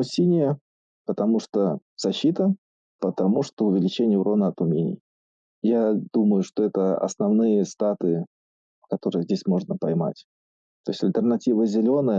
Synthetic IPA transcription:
sʲinʲɪjə | pət̪ɐmuʂt̪oz̥ɐɕːit̪ə | pət̪ɐmuʂt̪oʊvʲɪlʲɪt͡ɕenʲɪjəʊɾʔonəɐt̪ʊmʲenʲɪ̰j | jad̪̥uməjʊʂt̪o̞ɛt̪əɐ̰snɐvnɨjəst̪at̪ɨɪ | kɐt̪o̞ɾɨjəzʲdʲesʲmo̞ʐnəpɐjma̰tʲ | t̪o̞̰ɪsʲɐlʲt̪ʲərnɐtʲivəzʲɪlʲo̞nəjə

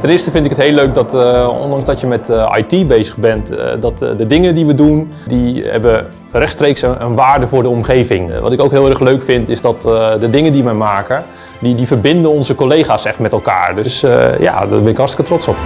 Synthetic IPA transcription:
tɛnɪːstəfɪntɪkətɦejløɥk̚dɔtɔ̰ndɑŋzdɔtjəmɛta̰jtibejzəɣbɛntdɔtdədɪŋədiʋədun | dihɛ̰bə | rɛxtstreːksə̰nʋaːɹdəvʊːɹdəɔmχejvɪŋʋɑ̰tɪkowkɦɪːlˠɛrəxløɥkfɪntɪzdɔtdədɪŋəndiʋɛjmaːkə | didivərbɪndənɔnzəkolejχaːsɛxtmɛtɛlˠka̰ːɹdøsja̰dɔ̰bɛnɪkɦɑrstɪ̥kətrɔtsɔp

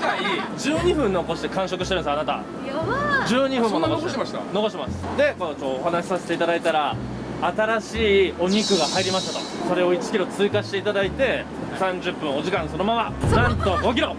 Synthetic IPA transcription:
aid͡ʑɨːɲ̟iɸɯ̟̃nno̞ko̞ɕi̥t̪e̞kãɰ̃ɕo̞kɯ̟ɕit̪eɾɯ̟̃nsanat̪a̰ | d͡ʑɨːɲ̟iɸɯ̟̃mːonokoeano̞ko̞ɕt̪emasɨ̥d̪e̞kokoːɦanaɕi̥saset̪eit̪ad̪ait̪aɾaː | t̪aɾaɕiːo̞ɲ̟ikɯ̟ɡahaiɾʲimaɕi̥t̪at̪o̞so̞ɾe̞o̞it͡ɕi̥kʲiɾo̞t͡sɨːkaɕi̥t̪e̞it̪ad̪ait̪e̞ | sãɲ̟d͡ʑɨpːɯ̟̃ɰ̃o̞d͡ʑikãɰ̃so̞no̞mamanãnt̪o̞ɡo̞k̬ʲiɾo̞

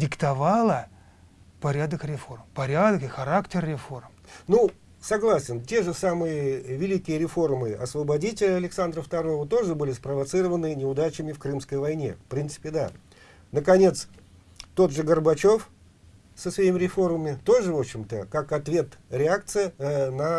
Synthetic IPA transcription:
dʲɪkt̪ɐvalˠə | pɐɾʲad̪əkɾʲɪfo̞rmpɐɾʲad̪əkɨxɐɾaktʲɪrɾʲɪfo̞rm | nu | sɐɡlˠasʲɪntʲe̞ʐɨsamɨjəvʲɪlʲikʲɪjəɾʲɪfo̞rmɨɐ̰svəbɐdʲitʲɪlʲəɐlʲɪksand̪ɾəft̪ɐɾo̞vət̪o̞ʐɨbɨlʲɪspɾəvɐt̪sɨɾəvənɨnʲɪʊd̪at͡ɕɪmʲɪfkɾɨmskəjvɐjnʲe̞̰fpɾʲint̪sɨ̥pʲɪd̪a̰ | nəkɐnʲe̞t̪s | t̪o̞t̪ʐɨɡərbɐt͡ɕo̞f | səsvɐimʲɪɾʲɪfo̞rməmʲɪt̪o̞ʐɨvo̞pɕːɪmt̪əkakɐt̪vʲe̞t̪ɾʲɪak̚t̪sɨjənə

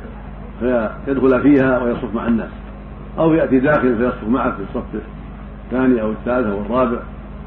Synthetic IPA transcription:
fajad̪xʊlafiːhawɪjɑsˤʊfma̰ʕanːa̰ːs | ʔawjaʔt̪id̪aːxɪlansajɑsˤʊfmaʕakfisˤːɑf | θːaːniʔawɪθːaːlɪθawɨrˤːɑːbɪʕ

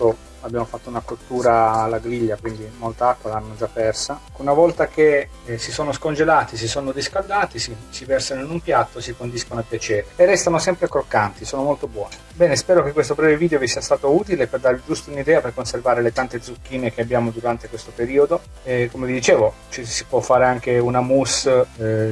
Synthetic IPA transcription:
t̪o | abːjamofat̪ːounakot̪ːuːɾaːlːaɡɾiʎːakwind̪imolt̪aakːwalanːod͡ʒapːɛrsa | unavɔlt̪ake | sisoːnoskond͡ʒelaːt̪is̬isoːnod̪iskald̪aːt̪isisivɛrsanoinumpjat̪ːosikond̪iskonapjat͡ʃɛːɾeːrːɛst̪anosɛmpɾekɾokːant̪isoːnomolt̪obwɔːnebɛːnespɛːɾokekːwest̪obɾɛːveviːd̪eovisiːast̪aːt̪ouːt̪ileperd̪aɾd͡ʒust̪ounid̪ɛːaperkonservaːɾelet̪ant̪ed̪zːukːiːnek̟eabjaːmod̪uɾant̪ekwest̪opeɾiːod̪o | ɛkomevid̪it͡ʃeːvot͡ʃɛsipwɔfːaːɾeaŋkeunamus

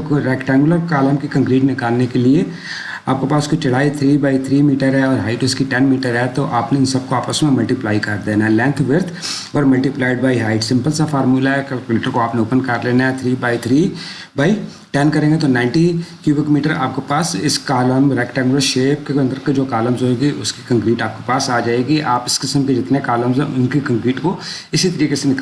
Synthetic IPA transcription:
ɾɛːkʈɛ̃ːŋɡʊləɾkaːləmkikɐ̃ŋkɾiːʈnɪkaːlnekelie | aːp̚kepaːskit͡ʃɐɽ̤aːit̪ʰɾiːbaːit̪ʰɾiːmiːʈəɾɦɛɔːɾɦaːɪʈʊskiʈɛnmiːʈəɾɦɛt̪oʔaːpneɪnsɐb̚koaːpəsmẽmɐlʈiplaːikɐɾd̪eːnaɦɛlɛ̃ːnt̪ʰʋɪɾt̪ʰ | ɔːɾmɐlʈiplaːɪɖbaːiɦaːɪʈsɪ̃mpəlsafaːɾmuːlaɦɛkɛlkuleːʈəɾkoaːpneoːpənkɐɾleːnaɦɛt̪ʰɾiːbaːit̪ʰɾiː | baːi | ʈɛnkɐɾẽːŋɡet̪onãːɪ̃ɳʈikjuːbɪkmiːʈəɾa̰ːp̚kepaːsɪskaːləmɾɛkʈɛːnəʃeːp̚keɐ̃nd̪əɾked͡ʒoːkaːləmzɦoːeːɡiʔʊski̥kə̃ŋkɾiːʈaːp̚kepaːsaːd͡ʒaːeːɡiʔaːpɪskɪsəmked͡ʒɪt̪nekaːləmzɦɛ̰̃ʔʊnkikə̃ŋkɾiːʈko | ɪsit̪ɐɾiːkesenɪkl

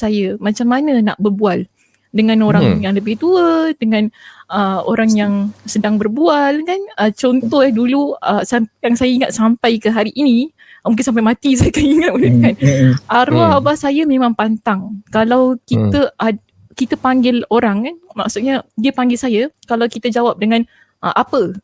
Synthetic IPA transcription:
sajəmat͡ʃamːanəna̰ʔbərbual | dəŋanoɾaŋjaŋləbɪht̪uədəŋãnəo̰ɾaŋjaŋsədaŋbərbualkanət͡ʃɔnt̪ɔhaduluəsajaŋsajaiŋat̪̚sampajkəɦaɾiʔːni | mũŋkɪnsamp̬ajmat̪is̬ajakajiŋat̪̚udəkanʔaɾuaabahsajamẽmãŋpant̪aŋkalawkit̪əʔa | kit̪əpaŋɡɪloɾaŋkanma̰ksut̪ʔ̪ɲadiəpaŋɡɪlsajakalawkit̪əd͡ʒawap̚dəŋãn | ʔʔapə

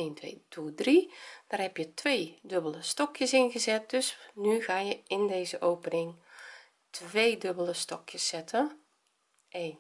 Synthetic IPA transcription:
eːntʋeːdʰudrid̥arhɛpjətʰʋeːdøbələstɔkjəsɪnɣəzɛt̚d̥øsnyɣaːjəɪndeːzəʔowpənɪŋ | tʰʋeːdøbəlˠəstɔkʰjəsːɛtʰə | en

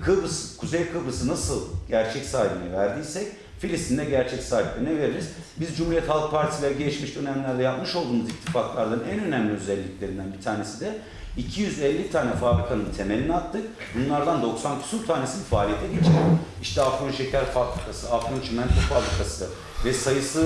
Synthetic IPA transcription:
kʰɯbɯskʰuzejkʰɯbɯsɯnasɯlˠɟæɾt͡ʃʰɛcsaːɦibinɛvæɾd̪ijsɛc | filʲist̪ʰind̪ɛɟæɾt͡ʃʰɛcsaːɦiplʲeɾinɛve̞ɾiɾiz | bizd͡ʒumhuɾijɛt̪halˠk̚pʰaɾt̪ʰilʲɛɾɛɟeit͡ʃmiʃd̪ø̞næmlʲæɾd̪ɛjapmɯʃolˠd̪uːnuzic̚t̪ʰːifaklˠaɾd̪anænø̞næmlʲiøzɛlʲːiclʲe̞ɾind̪ænbit̪ʰaːne̞sid̪ɛ | icʰijyzɛlʲːit̪ʰaːnɛfaːbɾikʰanɯnt̪ʰe̞melʲinat̪ʰːɯk̚ | bunlˠaɾd̪and̪o̞ksankʰu̥suɾt̪ʰaːnesinfaːlʲijet̪ʰɛɟet͡ʃʰioiʃt̪ɛafɡonʃe̞cʰæɾfabɾikʰasɯafɡont͡ʃʰimænt̪ʰufabɾikʰasɯ | vɛsajɯsɯ

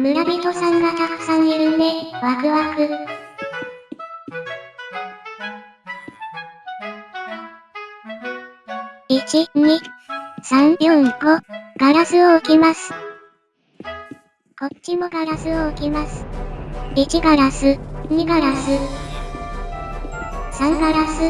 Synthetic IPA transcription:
mɯ̟ɾabʲit̪o̞sãŋɡat̪akɯ̥sãɲiɯnd̪eβakɯ̟βakɯ | it͡ɕiɲisãɲjõŋɡoɡ̥aɾasɨoːkʲimasɨ̥ | ko̞t͡ɕimo̞ɡaɾasɨoːkʲimasɨ̥ | it͡ɕiɡaɾasɨɲiɡaɾasɨ | sãŋɡaɾasɨ

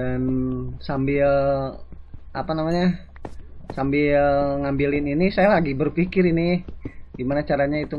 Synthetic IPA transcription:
ansambɪ | apanamaɲa | sambɪləŋambilɪninisajalaɡibərfikɪɾinidimanat͡ʃaɾaɲait̪u

